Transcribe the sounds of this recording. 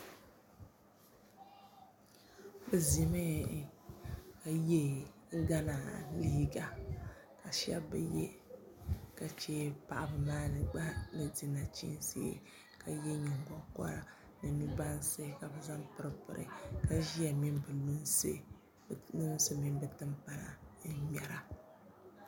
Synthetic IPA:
bɨ˨zi˨me˦˨ | ka˨jɛ˦ɡa˦na˨li˦ɡa˨ka˨ʃɛ̰˦bbɨ̰˨jɛ˦ | ka˨t͡ʃe˦pa˨ʔa˨bɨ˨maː˦nɨ˨ɡ͡ba˦bɨ˨di˦na˨t͡ʃḭ˦n˦sḭ˦ | ka˨jɛ˦ɲɛ˨ŋɡɔ˦kɔ̰˦ɾa˨ | nɨ˨mi˦ba˦n˦se˦ka˨bɨ˨za˦mpɨ˦ɾɨ˦pɨ˨ɾʔɨ̰˨ka˨ʒi˦a˨mi˦m˦bɨ˨lu˦nse˦˨ | lu˦n˦sɨ˦mi˦m˦bɨ˨tɨ˦mpa˦na̰˨n̩˦mɛ˨ɾa˨

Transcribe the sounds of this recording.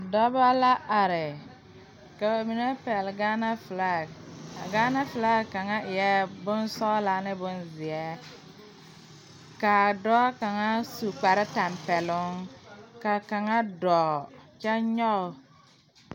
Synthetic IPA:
dɔ˦ba˦la˦ʔa˨ɾɪ˨ | ka˨wa˨mi˨ne˦pɛ˨lɡa˦na˦fla˦˨a˨ɡa˦na˦fla˦ka˨ŋa˦ɪ˨jɛ˦bʊ˦nsɔ˦la˨˦nɪ˦bʊ˦nzɪ˨ɛ˦ | ka˨dɔ˦ka˨ŋa˦su˨k͡pa˨ɾɪ˦ta˨mpɛ˨lʊ˦ŋka˨ka˨ŋa˦dɔː˨t͡ʃa˦ɲɔ˦˨

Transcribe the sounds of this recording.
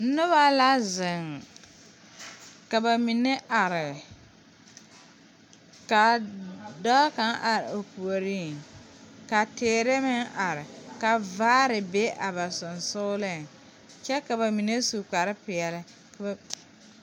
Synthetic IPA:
n̩˦nʊ˦βa˦la˦zɪ˨ŋ | ka˨ba˨mi˨ne˦ʔa˨ɾɪ˨ | ka˨ | dɔ˦ka˦ŋʔa˨ɾɪ˨o˨pu˨o˨ɾi˦˨ŋ | ka˨teː˨ɾe˦mɪ˦ŋʔa˨ɾɪ˨ka˨vaː˦ɾɪ˨be˦ʔa˨ba˨sʊ˨nsʊ˦lɪ˦˨ŋ | t͡ʃɛ˦ka˨ba˨mi˨ne˦su˨k͡pa˨ɾɪ˦pɪ˨ɛ˨lɪ˦ | k

